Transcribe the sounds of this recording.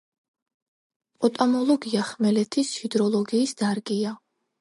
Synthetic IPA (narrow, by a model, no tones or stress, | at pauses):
pʼɔt̪ʼamɔlˠɔɡiaχmɛlɛt̪ʰishid̪ɾɔlˠɔɡiːsd̪̥aɾɡʼia